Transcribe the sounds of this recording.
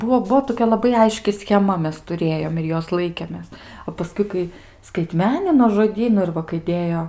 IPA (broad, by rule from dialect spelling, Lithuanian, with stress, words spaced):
ˈbuɔ ˈbuɔ toːˈkʲɛ lˠɐˈbɐɪ ˈɐɪʃʲkʲɪ sʲxʲɛˈmɐ ˈmʲɛs tʊˈrʲeːjoːm ɪr ˈjoːs ˈlˠɐɪkʲeːmʲeːs oː pɐˈskʊɪ ˈkɐɪ skɐɪˈtʲmʲæːnʲɪnoː ʒoːˈdʲiːnʊ ɪr ˈʋɐ kɐɪ ˈdʲeːjoː